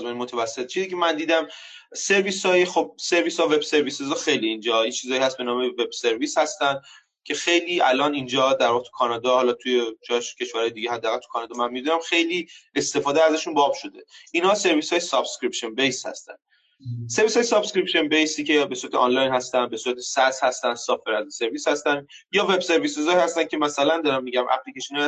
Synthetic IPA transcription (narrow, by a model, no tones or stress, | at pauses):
zmeninmot̪ʰævæsːet̪t͡ʃʰiːziːcʰemænd̪iːd̪æm | se̞ɾvishɒːjexob̚se̞ɾviːshɒːve̞bse̞ɾvisezɒxe̞jliːnd͡ʒɒint͡ʃʰiːzɒːjihæst̪̚be̞nɒːme̞ve̞bse̞ɾviːshæst̪ænd̪ | cʲʰe̞xe̞jliːʔælɒːnind͡ʒɒːd̪æɾvɒːɣet̪ʰu̥kʰɒnɒːd̪ɒːhɒlɒt̪ʰuje̞d͡ʒɒʃcʰe̞ʃvæɾɒːjd̪iːɟehæd̪ːæɣælt̪ʰu̥kʰɒːnɒːd̪ɒːmænmid̪unæmxe̞jliːe̞st̪e̞fɒːd̪eæzæʃunbɒːbʃo̞d̪e̞inhɒːse̞ɾvishɒːjesɒbskɾipʃonbejshæ̰st̪æ̰n | se̞ɾvisɒːjesɒbscɾipʃenbejsiːcʰe̞be̞suːɾæt̪ʰeʔɒnlɒjnhæst̪ænd̪be̞suːɾæt̪ʰesæshæst̪ænd̪sɒːfeɾæzise̞ɾviːshæst̪ænd̪ | jɒːve̞bse̞ɾvisezɒːihæst̪æn̚cʰe̞mæsælænd̪ɒːɾæmːiːɟæmʔæ̰ɣlicʰeʃinɛ